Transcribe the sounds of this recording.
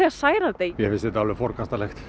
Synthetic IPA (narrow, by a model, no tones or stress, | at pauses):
ɛasaːjɾat̪eːjjɛfɪsɛt̪alvɛfɔɾkʰast̪alɛxt̪